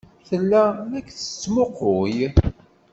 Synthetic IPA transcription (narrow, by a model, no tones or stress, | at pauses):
θəlːæækːθə̥t͡sːmoqoj